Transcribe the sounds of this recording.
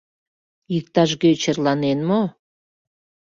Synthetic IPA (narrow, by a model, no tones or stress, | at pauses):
jik̚t̪ɑʃɣøt͡ɕərlɑnenmo